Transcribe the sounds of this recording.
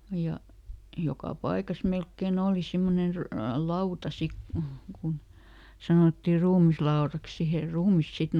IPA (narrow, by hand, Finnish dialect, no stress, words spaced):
jɑ jokɑ pɑikɑs melkːen oˑli simːonen ry lɑutɑ sik ku kun sɑnoˑtːi ruːmislɑorɑks siheˑr ruːmis sit